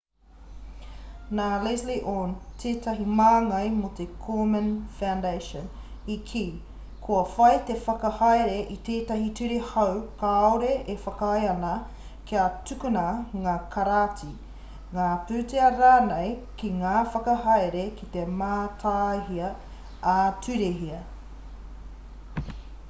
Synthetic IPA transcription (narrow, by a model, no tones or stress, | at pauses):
naːlesliʔont̪ʰeːt̪ɐɦimaːŋɐjmot̪ekʰomə̃nfãwndejʃən | ikʰiː | kʰoɐfɐjt̪efɐkɐhɐjɾeʔit̪eːt̪ɐɦitʉɾihɐwkaaoɾeʔefɐkɐjɐnɐ | kʰiatʉkunɐŋaːkʰɐɾaːtʰi | ŋaːpʉːt̪eɐɾaːnejkiŋaːfɐkɐhɐjɾekʰit̪emaːt̪ʰaːhiɐː | tʰʉɾeɦiɐ